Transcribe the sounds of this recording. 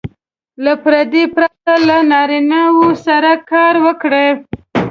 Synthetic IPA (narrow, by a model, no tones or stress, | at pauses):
lapɾad̪ipɾat̪alanɑɾinawosaɾakɑɾwəkɽe